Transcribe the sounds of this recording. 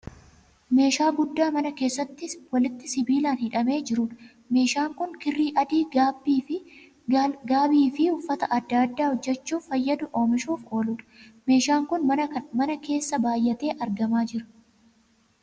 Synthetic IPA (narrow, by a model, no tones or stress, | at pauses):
me̞ːʃaːɡʊd̪ːaːmɐnɐke̞ːsːɐt̪ːɪwɐlɪt̪ːɪsɪbiːlaːnhɪᶑɐme̞ːd͡ʒɪɾuːᶑɐ̥ | me̞ːʃaːŋkʊŋkɪrːiːʔɐd̪iːbiːɪ | ɡaːbiːfɪhʊfːɐt̪ɐʔɐd̪ːaːd̪ːaːhɔd͡ʒːɛt͡ʃːuːfɐjːɐd̪ʊʔo̞ːmɪʃuːfo̞ːluːᶑɐ̥me̞ːʃaːŋkʊnɐmɐnɐke̞ːsːɐbaːjːɐt̪e̞ːʔɐɾɡɐmaːd͡ʒɪɾʊ̥